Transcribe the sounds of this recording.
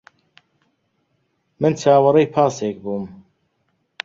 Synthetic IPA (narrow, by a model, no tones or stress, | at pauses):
mɨnt͡ʃʰaːwɨɾɛjpʰaːseːk̚buːm